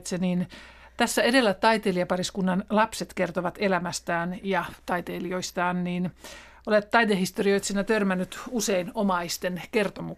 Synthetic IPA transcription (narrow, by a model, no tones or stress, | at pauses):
t̪seniːn | t̪æsːæedelːæt̪ɑit̪eliɑpɑriskunːɑnlɑpset̪kert̪oʋɑt̪elæmæst̪æːnjɑt̪ɑit̪eːlioist̪ɑːnniːn | ʔolet̪tɑit̪ehist̪orioijt̪sinæt̪ørmænːyt̪useinomɑist̪enkert̪omu